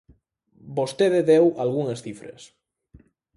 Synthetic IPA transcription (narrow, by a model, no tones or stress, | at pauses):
bost̪eðeðewalɣuŋesθifɾḛs